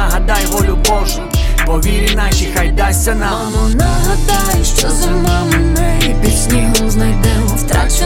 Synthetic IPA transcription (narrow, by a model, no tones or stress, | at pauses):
ɐɦɐd̪ɑjʋɔlʲʊbɔʒʊpɔʋʲiɾʲɪnɑʃixajd̪asʲːɐna | ɔnɐɦɐd̪ajʃt͡ʃɔzʊmamnɪpʲisʲnʲimʊznɐjd̪ɛmɔst̪ɾat͡ʃ